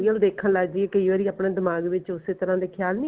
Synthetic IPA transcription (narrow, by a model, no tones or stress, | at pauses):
iəld̪eːkʰənlaɡd͡ʒieːkəiːʋaːɾiːaːpɳeːd̪ɪmaːɡʋɪt͡ʃʊseːt̪əɾãːd̪eːkʰjaːlnĩ